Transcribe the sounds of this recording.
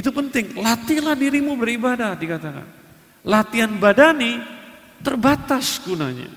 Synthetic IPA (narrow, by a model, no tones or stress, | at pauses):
it̪upənt̪ɪŋlat̪ilahdiɾimubəɾibadahdikat̪aka̰n | lat̪ianbadani | t̪ərbat̪asɡunaɲa̰